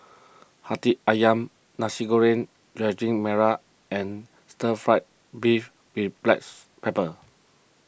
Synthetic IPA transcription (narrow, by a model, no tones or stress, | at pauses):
hatiajãm | nasiɡoɹẽn | dɹɛd͡ʒĩŋmɛɹa | ɛ̃n | stəfɹaɪt̚ | bif | wiblɛ̰ks | pepə